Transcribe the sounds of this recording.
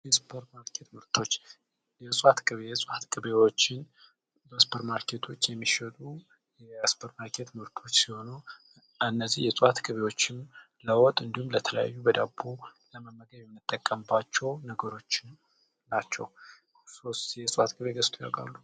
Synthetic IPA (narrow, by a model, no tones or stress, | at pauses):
jɛspʰəɾmaɾkʰe̞t̪mɨɾt̪ʰo̞t͡ʃː | jɛsʼat̪kʼɨβejɛsʼat̪kʼɨβewot͡ʃːɪn | bəspʰəɾmaɾkʰe̞t̪ʰo̞t͡ʃːjɛmːiʃət̪ʼu | jɛspʰəɾmaɾkʰe̞t̪mɨɾt̪ʰo̞t͡ʃːsiho̞nu | ɨnːəzihjɛsʼat̪ɡʼɨβe̞wo̞t͡ʃːɪm | ləwɔt̪ʼɨnd̪ihumlət̪ʰələ̰ja̰jːubəd̪abuləməmːəɡəβjɛmːɨt̪ʼːəkʼːəmbat͡ʃːɛwnəɡəɾo̞t͡ʃːɪnː | at͡ʃːɛ̰w | so̞st̪jɛsʼat̪ɡʼɨβeɡəst̪ʰoja̰ɡa̰lːu